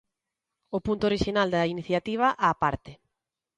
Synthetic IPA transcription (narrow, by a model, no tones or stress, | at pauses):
ʊpunt̪ʊoɾiʃinald̪ɐiniθjat̪iβ̞ɐʔaːpaɾt̪ɪ